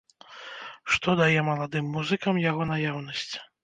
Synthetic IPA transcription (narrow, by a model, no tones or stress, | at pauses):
ʂt̪ɔd̪ajɛmɐlˠad̪ɨmːuzɨkɐmjaɣɔnajawnɐsʲt͡sʲ